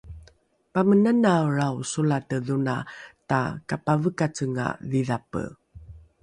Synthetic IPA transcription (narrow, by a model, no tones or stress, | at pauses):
pamənanaɾawsulatəðunata̰kapavəkat͡səŋa̰viðapə̰